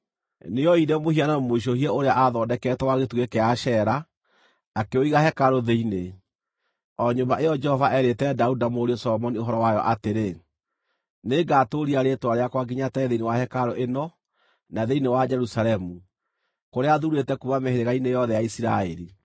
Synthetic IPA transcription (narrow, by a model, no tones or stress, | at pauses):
nejɔiɾɛmohianamoiʃ̬ohiɛoɾeaʔaðɔdɛkɛtɛwaɣetuɣekeaʃɛɾaː | keoiɣahɛkaɾoðeine | ɔɲombaʔejɔd͡ʒɛhɔvaʔɛɾetɛdaudamoɾiɔsɔlɔmɔnioɦɔɾɔwajɔ̰ʔateɾe | neɡaːtoɾiaɾetwaɾeakwaɡiɲatɛðeinewahɛkaɾoʔenɔ | naðeinewad͡ʒɛɾusalɛmu | koɾeaðuɾetɛkuβameheɾeɣainejɔðɛjaisiɾa̰ɛɾi